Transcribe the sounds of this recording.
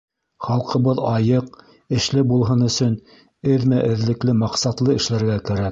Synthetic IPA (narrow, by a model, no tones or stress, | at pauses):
χɑlˠqɤ̆βɤðɑjɤq | ɘ̆ʃlɘbulˠɦɤnɵ̆sɵn | ɘðmæʔɘ̆ðlɘ̆klɘmɑqsɑt̪lˠɤɘ̆ʃlæɾɡækæɾæk